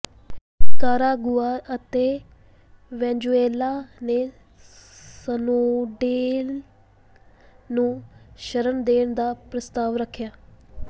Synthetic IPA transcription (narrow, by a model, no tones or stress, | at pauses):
kaːɾaːɡʊaːət̪eː | ʋɛ̃ːɲd͡ʒueːlaːneː | sənoːɖeːl | nũːʃəɾənd̪eːɳd̪aːpɾəst̪aːʋɾəkʰjaː